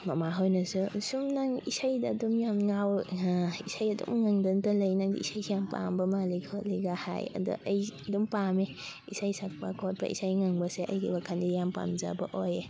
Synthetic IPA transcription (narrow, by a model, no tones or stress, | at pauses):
mɐmaɦojnɐsusumnaŋisajdɐːdumjamŋaw | isajɐdṵmŋaŋdɐntɐlɐjnaŋdḭḭsajijampa̰mbɐmalikʰoliɡaha̰jɐ̰dṵʔɐjɐdumpameisajsak̚pɐkʰot̚bʰɐ̰ʔḭsajŋaŋbɐseʔɐ̰jɡḭbakʰandijampa̰mza̰bɐʔoje